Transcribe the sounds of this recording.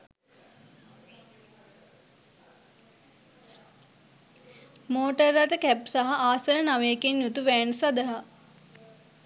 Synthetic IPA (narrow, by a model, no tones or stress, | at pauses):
moːʈərːat̪əkæpsaɦaʔaːsəɾənaʋeːkenjut̪uʋæːnsad̪əɦa